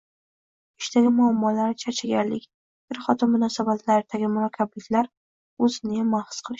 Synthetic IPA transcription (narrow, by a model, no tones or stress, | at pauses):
ɪʃt̪aɡʲɪmʊamːɒlaɾt͡ʃʰat͡ʃʰaɡʲaɾlɪkʲ | bɪɾχɒt̪ʰɪnmːʊnɒsabat̪ʰlaɾɪd̪̥aɡʲɪmʊɾɒkʲʰablɪkʲlaɾ | ɵzɪnɪmahsqʰɨlˠɪʃ